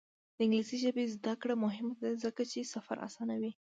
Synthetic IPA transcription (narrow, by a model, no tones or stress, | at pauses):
d̪̥əɪŋɡlisiʒəbezd̪akɽamʊɦɪmad̪azəkat͡ʃesafa̰ɾʔa̰sɑnawi